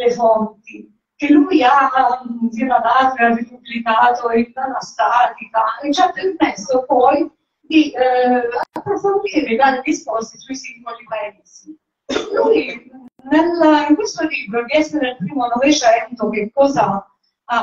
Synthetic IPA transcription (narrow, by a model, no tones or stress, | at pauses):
lefont̪i | k̟elːuja | sinanaːt̪oarid̪ublikaːt̪oimpanast̪aːt̪ikaet͡ʃːapermɛsːopɔj | d̪i | apːɾofond̪iːɾed̪aːɾelispɔst̪isuisiŋɡolipɛnsi | lujneliŋkwest̪oliːbɾod̪iɛsːenelpɾiːmonɔvet͡ʃɛnt̪ok̟ekːɔːza | a